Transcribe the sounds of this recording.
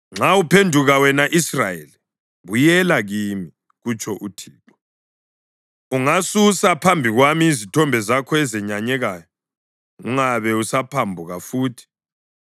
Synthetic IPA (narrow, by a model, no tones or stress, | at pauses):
ŋ͡ǁaupʰendʱuɣawɛnaʔisrajḛli | βujɛlaɣiːmi | ɣut͡ʃʰʼɔʔutʰiːǁɔ | uŋasusapʰambʱiɣwamizitʰɔmbʱɛzakʰɔɛzɛɲaɲɛɣaːjɔ | uŋaβɛusapʰambʱuɣafuːtʰi̥